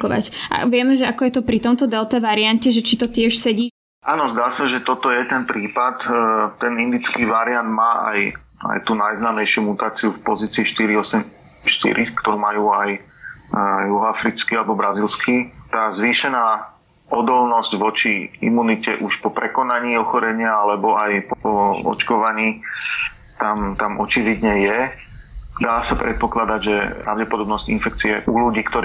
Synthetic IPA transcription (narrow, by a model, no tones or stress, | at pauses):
kɔʋa̰cʔa̰ʋɪɛmɛʒɛakɔjɛt̪ɔpɾit̪ɔmt̪ɔd̪ɛlˠt̪ɛʋaɾiancɛʒɛt͡ʃit̪ɔt̪ɪɛʃsɛɟiː | ʔaːnɔzd̪aːsaʒɛt̪ɔt̪ɔjɛt̪ɛnpɾiːpat̪ːɛnind̪it͡skiːʋaɾiand̪maːʔa̰j | a̰jt̪uːnajznaːmɛjʃɪumut̪aːt͡siufpɔziːt͡siːʃt̪iɾiɔsɛm | ʃt̪ḭɾikt̪ɔɾuːmajuːaj | juɦɔafɾit͡skialɛbɔbɾazilskit̪aːzʋiːʃɛnaː | ʔɔd̪ɔlnɔzɟʋɔt͡ʃiḭmunicɛ̰ʔuʃpɔpɾɛkɔnaɲiːɔxɔɾɛɲɪaalɛbɔajpɔɔɔ̰t͡ʃkɔʋaɲiː | t̪amt̪amʔɔt͡ʃiʋid̪ɲɛjɛ | d̪aːsapɾɛt̪̚pɔklad̪aɟʒɛ̰pɾa̰ʊɟɛpɔd̪ɔbnɔscḭnfɛk̚t͡siɛʔuluɟiːkt̪ɔɾ